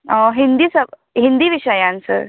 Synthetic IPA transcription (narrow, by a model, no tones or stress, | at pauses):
əɦind̪iːsəb | ɦind̪iːʋiɕəjãnsə̰ɾ